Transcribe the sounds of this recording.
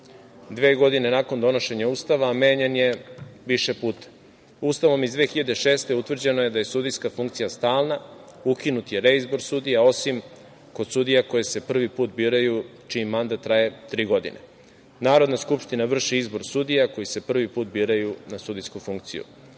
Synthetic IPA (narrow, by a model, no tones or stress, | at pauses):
d̪ʋe̞ːɡo̞d̪ine̞nakond̪o̞no̞ʃe̞ɲauːst̪aʋaːme̞ːɲenje̞ʋiʃepuːt̪ḁ | ust̪aʋo̞mizd̪ʋe̞ːxiʎad̪eʃe̞ːst̪e̞ut̪ʋr̩d͡ʑe̞noje̞d̪aje̞sud̪ijskafuŋk̚t̪sijast̪aːlˠnaukinut̪je̞ɾeizbo̞ɾsud̪ijao̞sim | ko̞d̪sud̪ijako̞jese̞pr̩ʋipuːt̪̚biːɾaju | t͡ʃimːand̪at̪ːɾaje̞t̪ɾiːɡo̞d̪ḭnʔḛ | naːɾo̞d̪naskupʃt̪inaʋr̩ʃiizbo̞ɾsud̪ijako̞jise̞pr̩ʋipuːt̪biːɾajunasud̪ijskufuŋk̚t̪sḭjṵ